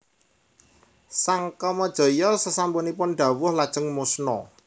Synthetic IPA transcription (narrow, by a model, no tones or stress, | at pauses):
saŋkɔmɔd̥ʒ̥ɔ̤jɔsəsampunipʊnɖ̪ä̤wʊhlad̥ʒ̥ə̤ŋmosnɔ̰